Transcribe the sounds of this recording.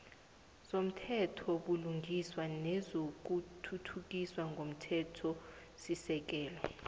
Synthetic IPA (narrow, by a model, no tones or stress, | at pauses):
som̩tʰɛtʰɔɓuluŋɡʱiswanɛzok̬utʰutʰuk̬iswaŋɡʱom̩tʰɛtʰɔ | sisɛk̬ɛːlɔ